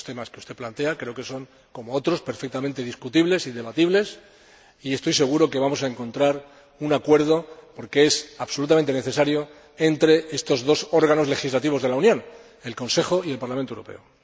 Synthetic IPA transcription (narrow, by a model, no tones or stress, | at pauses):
st̪e̞maskeu̥st̪e̞plant̪e̞akɾe̞oke̞so̞ŋ | ko̞mo̞o̞t̪ɾo̞spe̞ɾfe̞k̚t̪amẽnt̪e̞ð̞iskut̪iβle̞sind̪eβat̪iβle̞s | ie̞st̪ojse̞ɣ̞uɾo̞keβamo̞s̬aeŋkõ̞nt̪ɾaɾ | unakwe̞ɾð̞o̞po̞ɾke̞esaβso̞lut̪ament̪e̞neθe̞saɾjo̞ | e̞nt̪ɾe̞e̞st̪o̞zðo̞so̞ɾɣ̞ano̞zle̞xizlat̪iβ̞o̞zð̞e̞launjõ̞n | e̞lko̞nse̞xo̞ielpaɾlamẽnt̪ouɾope̞̰o